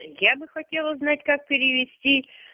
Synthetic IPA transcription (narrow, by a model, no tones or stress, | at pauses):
jabɨxɐtʲe̞lˠəznatʲkak̚pʲɪɾʲɪʋʲɪsʲtʲi